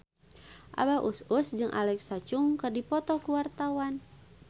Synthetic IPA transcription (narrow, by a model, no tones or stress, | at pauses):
ʔa̰baʔususd͡ʒɨŋʔa̰lɛksat͡ʃuŋkɨrdipɔt̪ɔkuwart̪awan